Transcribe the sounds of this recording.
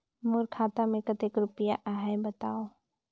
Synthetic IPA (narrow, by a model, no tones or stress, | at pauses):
mʊɾkʰaːt̪amẽkət̪ekɾʊpəjaʔaːɦebət̪aːo